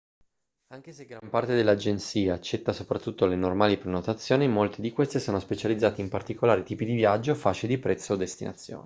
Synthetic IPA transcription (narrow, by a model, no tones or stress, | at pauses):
aŋk̟eseɡɾampart̪ed̪elːad͡ʒent̪siːaːt͡ʃːɛt̪ːasopɾat̪ːut̪ːolenormaːlipɾenot̪at̪sːjoːnimolt̪ed̪ikwest̪esoːnospet͡ʃalid̪zːaːt̪impart̪ikolaːɾit̪iːpid̪ivjad͡ʒːofaːt͡ʃed̪ipɾɛt̪sːeod̪ːest̪inʔa̰t̪sːjo̰ːni